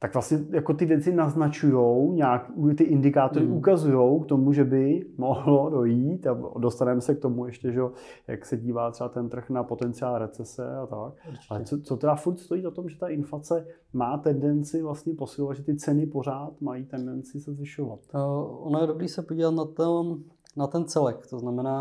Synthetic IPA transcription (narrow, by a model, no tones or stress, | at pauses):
t̪akvlastɲɛjakot̪ɪvjɛt͡sɪnaznat͡ʃujo̞wɲaːkut̪ɪʔɪndɪkaːt̪oɾɪukazujo̞wkt̪o̞muʒɛbɪmo̞ɦlo̞do̞jiːt̪ado̞st̪anɛmɛsɛk̚t̪o̞mujɛʃcɛʒɛoja̰ksɛɟiːvaːt̪̝ɛbat̪ɛnt̪r̩xnapo̞t̪ɛnt͡sɪaːlɾɛt͡sɛsɛ̰at̪ak̚alɛt͡sot͡sot̪ɛdafuɾt̪st̪o̞jiːʔot̪o̞mʒɛt̪aʔɪnflat͡sɛ | maːt̪ɛndɛnt͡sɪvlast̪ɲɛpo̞sɪlovat̪ʒɛt̪ɪt͡sɛnɪpo̞ɾaːt̪majit̪ɛndɛnt͡sɪsɛzvɪʃovat̪ʔonojɛdobɾiːsɛpoɟiːvat̪nat̪o | nat̪ɛnt͡sɛlɛkt̪oznamɛnaː